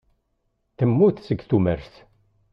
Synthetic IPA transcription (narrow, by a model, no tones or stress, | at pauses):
θəmːuθsəɡθuməɾθ